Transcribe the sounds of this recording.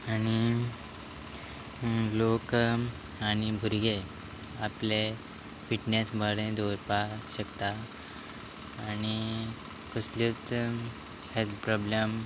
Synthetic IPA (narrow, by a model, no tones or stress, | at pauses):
añi | lok | añibʱuɾɡe | aple | fiʈnesbʱəɾẽd̪oɾpaɕəkt̪a | ñi | kəslit͡s | helpɾɔbləm